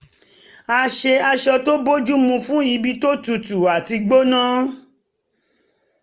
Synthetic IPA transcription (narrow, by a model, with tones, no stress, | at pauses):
a˧ʃe˧a˧ʃɔ˧to˦bo˦d͡ʒu˦mũ˧fũ˦i˧˦bi˧to˦tu˨tu˨a˨ti˧ɡ͡bo˦nãː˦